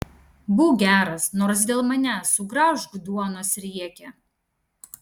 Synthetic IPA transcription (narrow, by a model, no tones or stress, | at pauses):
bʊːɡʲæːɾɐsnoːɾs̬d̪ʲeːlˠmɐnʲɛsʊɡɾɑːʒɡd̪uɔnoːsɾʲiɛkʲɛ